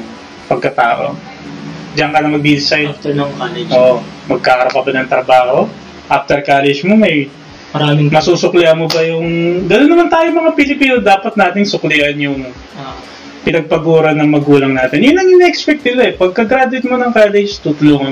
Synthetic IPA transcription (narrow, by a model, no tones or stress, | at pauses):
pɐɡ̚kɐt̪aːʔo̰ | d͡ʒɐŋkɐnɐmɐɡ̚bisajt̪ɐkalɛʔoːʔo | mɐɡ̚kakɐɾɐpɐbɐnɐŋt̪ɾɐbaːho̞ | ʔaft̪ɛɹkaːlɛd͡ʒmomɐj | ɐaɪmɐsuːsʊklɪɐmobɐjʊŋd̪ɐlonːɐmɐnt̪aːjoŋmɐŋapɪlɪpiːnod̪aːpɐt̪̚naːt̪ɪŋsʊklɪʔɐnjʊŋ | pɪnɐɡ̚pɐɡuːɾɐnɐŋmɐɡuːlɐŋnaːt̪ɪnjʊnɐŋinɛkspɛk̚t̪̚nɪlaɛpɐɡ̚kɐɡɾaːd̪ʊwɪt̪̚monɐŋkaːlɛd͡ʒt̪ut̪ʊluːŋɐ